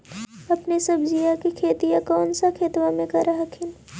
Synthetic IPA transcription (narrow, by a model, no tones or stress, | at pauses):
ɐpnesɐbd͡ʒijakikʰeːt̪ijãkɔːnsakʰeːt̪wãmẽkɐɾaɦakʰɪn